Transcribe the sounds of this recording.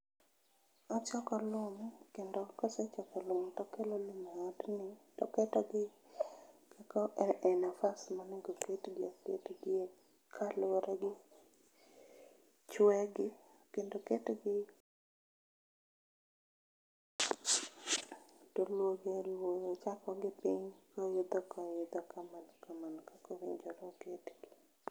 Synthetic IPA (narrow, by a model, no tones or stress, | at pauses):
ɔt͡ʃɔkɔlʊmkendokɔsɛt͡ʃɔkɔlʊmtɔkelolɪmatnɪtɔ̰kɛtɔɡɪ | kɛkɔɛnafasmaneŋɡoketɡɪakḛtɡɪe | kʰaloɾʔeɡɪ | t͡ʃwɛɡɪkendoketɡɪ | tolwoɡɛɾwoɔt͡ʃakɔɡɪpiɲkajʊd̪ɔkajʊd̪ɔkamankamankakɔɾɪɲd͡ʒɔɾɔketɡ̥ɪ